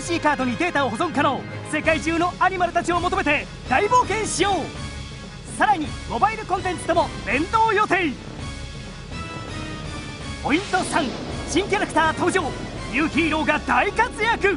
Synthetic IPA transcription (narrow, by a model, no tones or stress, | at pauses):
ɯɕiːkaːd̪o̞ɲ̟id̪e̞ːt̪aoɦozõ̞ŋɯkano̞ːse̞kaiʑɨːno̞ʔaɲ̟imaɾɯ̟t̪at͡ɕio̞mo̞t̪̬o̞me̞t̪e̞ | d̪̥aibo̞ːkẽ̞ɰ̃ɕijo̞ː | saɾaɲ̟imo̞baiɾɯ̟kõ̞nt̪ẽ̞nt͡sɨ̥t̪o̞mo̞bẽ̞nd̪oːjo̞t̪e̞i | po̞ĩnt̪o̞sãŋɕĩŋkʲaɾakɯ̟̥t̪aːt̪oːʑo̞ː | jɯːçʲiːɾo̞ːɡad̪aikat͡sɨjakɯ̟